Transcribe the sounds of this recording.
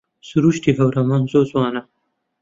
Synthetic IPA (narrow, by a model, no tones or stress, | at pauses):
suɾuʃt̪iɦawɾamanzozwɑːna